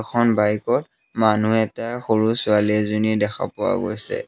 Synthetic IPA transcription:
kʰɔnbajkɔt | manuɛtaxoɹusʊalizonidɛkʰa̰pʊwa̰ɡo̰jsɛ̰

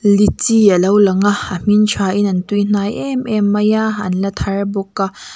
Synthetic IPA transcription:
lit͡siəlowlɐŋaʔəm̥int͡ʃʰaːʔinɐnt̪un̥aːjʔɛmʔɛmːɐjaɐ̰nlɐt̪ʰarbɔkːa

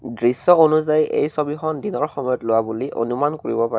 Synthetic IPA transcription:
dɹisːɔonuzajḛjsobixɔndinɔɹxɔmɔjɔtlowabuliʔo̰numankoɹḭbɔpaɛ

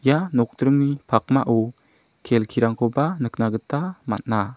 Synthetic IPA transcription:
ijanɔk̚dɾɯŋnipʰak̚maʔu | kʰelkʰiɾaŋkʰɔbanɯk̚naɡətama̰t̚na

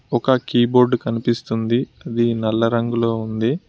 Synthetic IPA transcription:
ɔkɐkiːbo̞ːɾɖkɐnipist̪und̪iɐd̪inɛlːɐɾɐŋɡulo̞ːund̪i

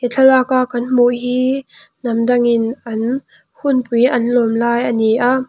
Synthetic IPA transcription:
ʔit͡ɬʰɐlaːkaʔkɐnm̥uʔɦiːnɐmdɐŋɪnʔɐn | hunpujʔɐnlɔmlaːjʔɐniʔaʔ

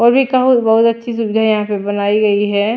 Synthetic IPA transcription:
ɔːɾbʱikɐɦʊt̪bɐɦʊt̪ɐtːʃʰisʊbɪd̪ʱajɐɦãpebɐnaːiɡɐiɦɛː

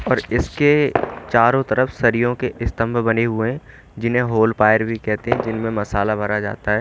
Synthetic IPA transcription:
ɔːɾɪsket͡ʃaːɾõt̪ɐɾəfsɐɾijõkeʔɪst̪ə̃mbʱbɐneɦʊeɦɛ̃ | d͡ʒɪnɦẽɦoːlpaːjəɾbʱikɛɦt̪eɦɛ̃d͡ʒɪnmẽmɐsaːlabʱɐɾad͡ʒa̰ːt̪aɦɛː

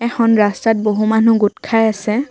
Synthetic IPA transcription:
ɛxʰɔnɹastat̚boɦumanuɡutkʰajasɛ

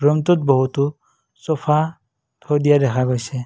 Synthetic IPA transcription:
ɾɔmt̪ɔt̪̚bɔɦut̪ɔ | sɔpʰa | t̪ʰɔd̪ijad̪ɛkʰaɡojsɛ

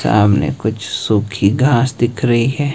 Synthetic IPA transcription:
sa̰ːbnḛkʊt͡ʃʰsuːkʰiɡʱaːsd̪ɪkʰɾɐɦiɦɛː

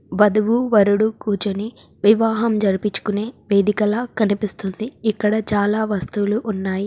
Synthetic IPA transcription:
ʋɐd̪uʋuʋɐɾuɽukuːt͡ʃoni | ʋiʋaːɦɐmd͡ʒɐɾipit͡ʃːu̥kune̞ːʋe̞ːd̪ikɐlaːkɐnipist̪und̪iːkːɐɽɐt͡ʃaːlaːʋɐst̪uluʔːnːaːji

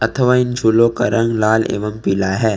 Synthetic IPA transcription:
ɐt̪ʰəʋaːɪnd͡ʒʱulõkaɾɐ̃ŋɡlaːlḛːʋəmpɪlaɦɛː

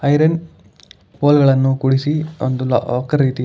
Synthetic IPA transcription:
ɐjɾɐn | poːlɡɐɭɐnːukuɽisio̰nd̪ul̰ɔ̰ːkɐɾiːt̪i

